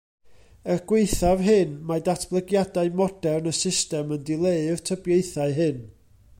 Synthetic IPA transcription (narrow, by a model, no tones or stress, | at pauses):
əɡ̥weɨθav̥ɦɨnmadatʰb̥lˠəɡjadaɨmɔdɛrnəsɪstɛməndɪlˠeɨr̥tʰəbjeɨθaɨɦɨn